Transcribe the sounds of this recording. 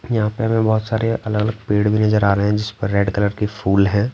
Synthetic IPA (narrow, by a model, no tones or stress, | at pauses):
jɐɦãpeɦɐmẽbɔːʊt̪saːɾeʔɐləɡələɡ̚peːɽbʱinɐzəɾaːɾeɦeɦɛ̃d͡ʒɪspəɾːeːɖkɐləɾkefuːlɦɛ̃ː